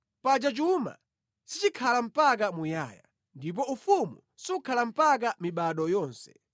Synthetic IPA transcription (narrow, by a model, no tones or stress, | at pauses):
pad͡ʒat͡ʃuma̰ | sit͡ʃikʰalam̩pak̬amujaːja̰ | ndip̬ɔufumṵ | siukʰalam̩pak̬amiɓaɗɔjɔːnsɛ̥